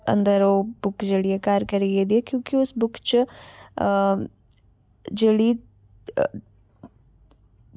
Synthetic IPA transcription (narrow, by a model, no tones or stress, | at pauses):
ɐ̰nd̪əɾoːbʊkd͡ʒeɽiekaːɾkɐɾeɡed̪ijekjũːkiʊsbʊkt͡ʃ | d͡ʒeɽiː